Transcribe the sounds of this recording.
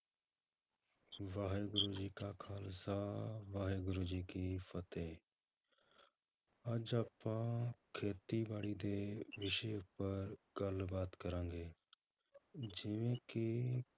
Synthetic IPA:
ʋaːɦeːɡɾoːd͡ʒiːkaːkʰaːlsaːʋaːɦeːɡɾoːd͡ʒiːkiːfʰət̪eː | əd͡ʒaːpãːkʰeːt̪iːbaːɽiːd̪eːʋɪʃepəɾɡəlbaːt̪kəɾãːŋɡeː | d͡ʒɪʋẽːki

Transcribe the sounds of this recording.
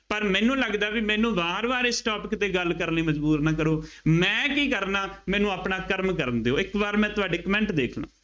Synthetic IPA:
pəɾmɛ̃ːnũːləɡd̪aːʋɪmɛ̃ːnũːbaːɾʋaːɾeːsʈɔːpɪkt̪eːɡəlkəɾniːməd͡ʒbuːɾnaːkəɾoː | mɛ̃ːkiːkəɾnaːmɛːnũːaːpɳaːkəɾmkəɾnd̪eoːɪkʋaɾmɛ̃ːt̪ʊaːɖeːkəmɛ̃ːɳʈd̪eːkʰlã̰ː

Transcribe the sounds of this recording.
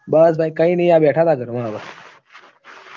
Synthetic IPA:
bəsbʱaikaiːnəijabeʈʰat̪aɡəɾmabəs

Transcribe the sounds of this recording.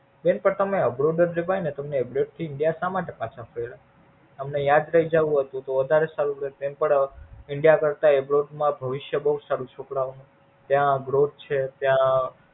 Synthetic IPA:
benpəɽt̪əmeəbɾoɖəɾd͡ʒebainet̪əmneebɾeʈ̚t̪ʰiɪɳɖijasamãʈepãt͡ʃʰapʰəɾela | əmnejad̪ɾəɦid͡ʒaʋũɦət̪ũt̪oʋəd̪ʱaɾesaɾũɾet̪empəɳɪɳɖijakəɾt̪aebɾoɖmãbʱəʋɪʃjəbəɦusaɾũt͡ʃʰokɽaʋnũ | t̪jãɡɾot̪̚t͡ʃʰet̪jã

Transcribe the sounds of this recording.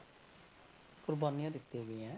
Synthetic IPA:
kʊɾbaːnijãːd̪ɪt̪ːioːɡɪɛ̃ː

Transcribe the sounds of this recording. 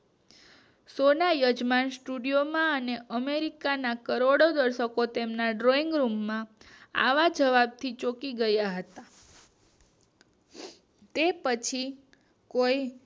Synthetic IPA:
sonajəd͡ʒmansʈuɖijomãəneʔəmeɾikanakəɾoɽod̪əɾʃəkot̪emnaɖɾoiŋɡɾumːãa̰ʋad͡ʒəʋab̚t̪ʰit͡ʃokiɡəjaɦət̪a | t̪epət͡ʃʰi | koj

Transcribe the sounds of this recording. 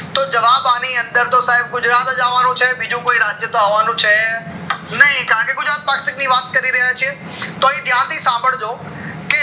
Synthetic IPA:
t̪oːd͡ʒɐʋaːbaːniɐ̃nd̪əɾt̪osaːɦɪb̚ɡʊd͡ʒɾaːt̪ɐd͡ʒaːʋaːnũt͡ʃʰɛbid͡ʒũkoːiɾaːd͡ʒjət̪oaːʋaːnũt͡ʃʰɛ | nɐɦĩkɐãːkeɡʊd͡ʒɾaːt̪̚paːksɪkniʋaːt̪̚kɐɾiɾɐɦajt͡ʃʰie | t̪oːɦĩd̪ʱjãːnt̪ʰiːsãːmbʱəɽd͡ʒoː | ke

